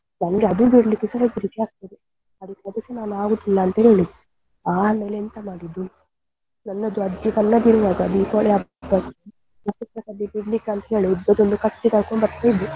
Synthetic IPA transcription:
nɐnɐɡeɐd̪ubiɽlikːesɐɦɐɡ̪iɾikːeaːɡ̚t̪ɐd̪e | ɐd̪ikːɐd̪ɐsinaːnuaːɡut̪ilːaːnt̪ɐɦeːɭid̪u | aːmeːleent̪ɐmaːɽid̪u | nɐnːɐd̪uɐd͡ʒit̪ɐnːɐd̪iɾuʋaːɡɐːd̪uik̪oɭiabbɐt̪ | upːut̪ɾɐkɐb̪ibiɽlikːeɐnt̪ɐɦeːɭiud̪ːɐd̪ond̪ukɐʈːid̪aːkoɳbɐɾt̪ɐjd̪u

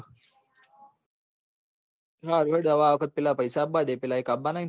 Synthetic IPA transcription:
ɾaːɾʋeɽd̪ɐʋaʋkət̪̚pilapɐjsabad̪epilaikabːanain

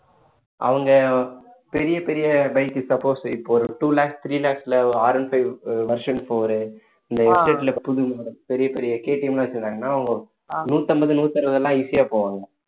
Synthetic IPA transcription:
ʔɐ̰ʋɐŋɡɐ | pɛɾɪjɐpɛɾɪjɐbɐɪkːɯsɐpːoːsɪpːoɔɾɯʈuːlaːksʈt̪ʰɾiːlaːksɪlɐɔaːɾɐnfɐɪʋʋɐɾʂɐnpoːɾɯ | ɪnd̪ɐɛsʈeʈːɪlɐpʊðɯmaːɾɐpɛɾɪjɐpɛɾɪjɐkeːʈːɪmlãːɐt͡ʃːɪɾɯnd̪aːŋɡɐnːaːɐʋɐŋɡɐ | nuːt̪ːɐmbɐðɯnuːt̪ːɐɾɐʋɐðɛlːãːisɪjaːpoːʋaːŋɡɐ

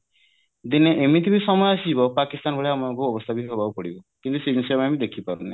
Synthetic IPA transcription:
d̪ineʔemit̪ʰibisɔmɔjasibɔpakist̪anbɔɭeamɔŋkuɔbɔst̪ʰabiɦɔbawkɔɽibɔkint̪usid͡ʒinsiamamid̪ekʰipaɾunḛ

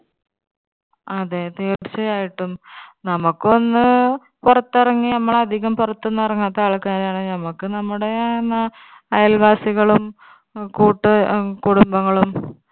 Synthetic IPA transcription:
ɐðet̪eːt͡ɕːɐjaːjiʈːumnɐmukːo̞nːɨ | purɐt̪ːirɐŋːinɐmːɐɭɐd̪ʱiɣɐmpurɐt̪ːunːɨɐrɐŋːaːt̪ːaːɭkaːɾaːɳɨnɐmukːɨnɐmːuɽe̞enːɐ | ɐjɐlʋaːsiɣɐɭum | kuːʈːɨkuɽumbɐŋːɐɭum

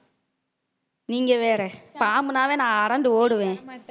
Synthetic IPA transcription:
niːŋɡɐʋeːɾɛpaːmɯnaːʋeːnãːɐɾɐnɖɯoːɽɯʋẽː

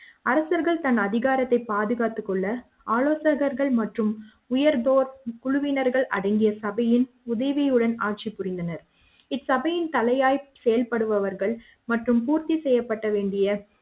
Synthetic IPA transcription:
ɐɾɐsɐɾɣɐɭt̪ɐnɐðɪɣaːɾɐt̪ːɐɪpːaːðɯɣaːt̪ːɯkːɔɭːɐ | aːloːsɐɾɣɐɾɣɐɭmɐʈrɯm | ʊjɐɾd̪oːɾkʊɻʊʋɪnɐɾɣɐɭʔɐ̰ɽɐɪŋɡɪjɐsɐbɐjɪn | ʊðɐɪʋijɯɽɐnaːʈ̚t͡ʃipːʊrɪnd̪ɐnɐɾ | ɪsɐbɐjɪnt̪ɐlɐjaːjsɛjɐlpɐɽɯʋɐʋɐɾɣɐɭ | mɐʈrɯmpuːɾt̪isɛjːɐpːɐʈːɐʋeːɳɖɪjɐ

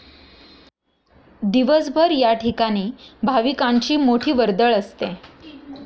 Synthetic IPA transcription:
d̪iʋəsbʱəɾjaʈʰikaɽ̃iːbʱaʋikãɲt͡ɕiːmoʈʰiːʋəɾd̪əɭəst̪ẽ

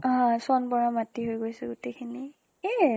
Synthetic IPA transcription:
ɦãsɔnbɔɹamatiɦojɡojsɛɡutekʰini | e

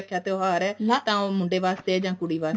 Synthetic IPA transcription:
kʰːjãːt̪eoːɦaːɾɛːt̪ãːmʊ̃ɳɖeːʋaːst̪eːɛːd͡ʒãːkʊɽiːʋaː

